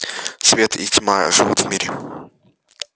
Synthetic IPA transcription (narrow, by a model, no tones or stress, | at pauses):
svʲet̪ḭtʲmaʐɨvut̪vmʲiɾʲɪ